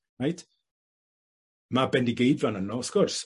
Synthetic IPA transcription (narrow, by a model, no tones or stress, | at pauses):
najtʰ | mabɛndiɡejdvanənɔskʊrs